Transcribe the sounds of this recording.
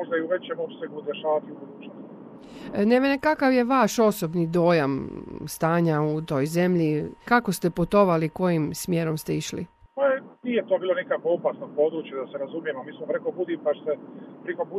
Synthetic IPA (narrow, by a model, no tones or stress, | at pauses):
oʒd̪aiuʋe̞t͡ɕemopseɡud̪eʃaːʋat̪iubud̪uːt͡ʃnost̪i | neʋʲenekakaʋje̞ʋaʃo̞sobnid̪o̞ːjamst̪aːɲaut̪o̞jze̞mʎikakost̪eput̪o̞ʋaliko̞jimsmjeːɾo̞mst̪eiʃlḭpajeniːjet̪obiːlˠonikakʋoopaːsnopo̞ːd̪ɾuːt͡ʃjud̪aseɾazumjemoamiːsmopɾekobud̪impaʃsepɾekobu